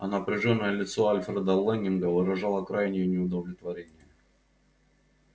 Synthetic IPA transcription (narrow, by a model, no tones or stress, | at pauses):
ɐ̰nəpɾʲɪʐonːəjəlʲɪt̪soɐlʲfɾɛd̪əlˠɛnʲɪnɡəvɨɾɐʐɑlˠəkɾajnʲɪjənʲɪʊd̪əvlʲɪt̪vɐɾʲenʲɪjə